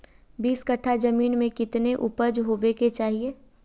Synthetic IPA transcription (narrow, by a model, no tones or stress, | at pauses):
biːskəʈʰad͡ʒɐmiːnmẽkɪt̪neʔʊpəd͡ʒɦobeːket͡ʃaːɦieː